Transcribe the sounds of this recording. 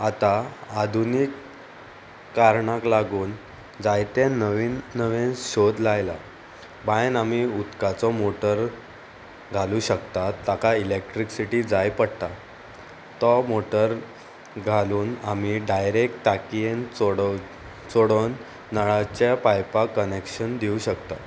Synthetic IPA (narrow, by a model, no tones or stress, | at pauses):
at̪aad̪ʱunik | aɾɳaklaɡuːn | d͡zajt̪ẽnʋinːəʋẽnɕod̪lajla̰ | bajnamiut̪kat͡sɔmoʈəɾ | ɡʱaluɕəkt̪at̪ːakailek̚ʈɾiksiʈiːd͡zajpəɽt̪a | t̪ɔmoʈəɾ | ɡʱaluːnam̤iɖajɾek̚ʈʈakijenɽ | t͡soɽənː | əɭat͡ɕapajpakənekɕənd̪iuɕəkt̪a̰